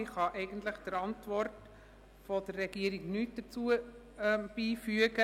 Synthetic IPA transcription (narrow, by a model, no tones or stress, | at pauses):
ɪχɑʔɛɪɡənt̪ləχd̥̪əɾɑntʋɔrt | fɔd̪əɾːɛɡ̥iəɾiɡnyːt̚d̥ət͡suə | b̥iːfyəɡə